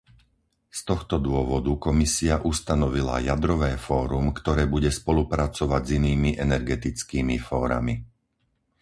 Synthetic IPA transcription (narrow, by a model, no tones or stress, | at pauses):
st̪ɔxt̪ɔd̪ʊɔʋɔd̪ukɔmisiaʔust̪anɔʋila̰jad̪ɾɔʋɛːfɔːɾumkt̪ɔɾɛːbuɟɛspɔlupɾat͡sɔʋaɟziniːmiʔɛnɛɾɡɛt̪it͡skiːmifɔːɾa̰mi